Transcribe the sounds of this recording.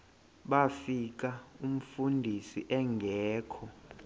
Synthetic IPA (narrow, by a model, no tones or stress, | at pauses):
ɓafik̬aum̩fundʱisiʔɛŋɡʱɛːkʰɔ